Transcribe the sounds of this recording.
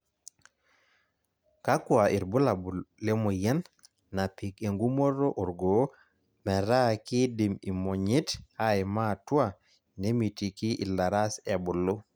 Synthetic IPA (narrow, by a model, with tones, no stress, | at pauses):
ka˦ku˦a˨ʔi˨ɾbu˦la˨bu˨le˦mo˨ja˦n | na˨pi˨ke˨ŋɡu˦mo˦ɾo˦ʔu˨ɾɡo˨˦ | me˨ɾa˦ki˦di˨mi˨mo˨ɲi˦ta˦jma˦tu˦a˨ | ne˦mi˨ti˨ki˦ʔḭ˨la˨ɾa˦se˨bu˨lːu˦